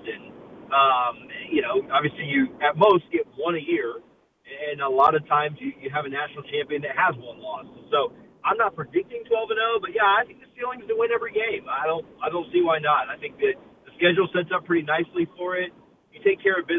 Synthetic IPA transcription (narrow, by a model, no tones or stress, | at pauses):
ɨ̃nʌ̃mɨjɨnoʊɑbviɨslijɨɨt̚moʊst̚ɡ̥ɛt̚wʌ̃ñɨjɪɹ | ɨ̃nəlɔɾʌv̥tʰãɪ̃mzjɨjɨːvɨnæʃnl̩ˠt͡ʃʰæ̃mpiɨ̃nðɨt̚həzwʌ̃nlɔssoʊ | ãɪ̃mnət̚pʰɹ̥ɨdɪk̚tɪ̃ŋtʰw̥ɛlˠvɨnoʊbʌt̚jæaɪθɪ̃ŋk̚ðɨfilˠɪ̃ŋzðɨt̚wɛ̃ñɛvə˞iɡẽɪ̃maɪɾõʊ̃nt̚aɪɾõʊ̃ntsiwaɪnəɾaɪθɪ̃ŋk̚ðɨðɨskɛd͡ʒl̩ˠsɛtsʌpʰɹ̥ɪɾinaɪslifə˞ɪt̚ | jɨtʰeɪkʰɛɹʌvbɪ